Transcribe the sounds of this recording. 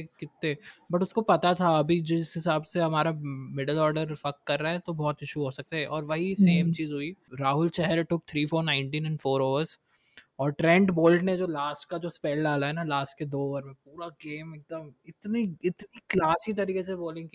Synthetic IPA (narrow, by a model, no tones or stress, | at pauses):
ekɪt̪ːẽbɐʈʊskopɐt̪at̪ʰaɐbʱid͡ʒɪsɦɪsaːbseɦɐmaːɾamɪɖəlɔːɾɖəɾfɐkːɐɾːaɛ̃t̪obɔːt̪ɪʃuɦoːsɐk̚t̪eɛʔɔːɾʋɐɦiseːmt͡ʃiːzɦʊiɾaːɦʊlt͡ʃɛɦɛɾʈʊk̚t̪ʰɾiːfoːɾnãɪ̃ɳʈĩːnɛ̃nɖfoːɾoːʋəɾz | ɔːɾʈɾɛ̃ɳɖboːlɖned͡ʒoːlaːsʈ̚kad͡ʒoːspɛːlɖaːlaɦɛnalaːsʈ̚ked̪oːʋəɾmẽpuːɾaɡeːmeːk̚d̪əmɪt̪niɪt̪niklaːsit̪̬ɐɾiːkes̬eboːlɪ̃ŋki